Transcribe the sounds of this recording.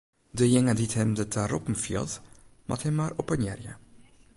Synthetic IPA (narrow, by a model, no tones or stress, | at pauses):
dəjɛŋədithɛmdətʰaɾɔpm̩fḭə̰lˠtma̰thɛmːaːrɔpənjɛrjə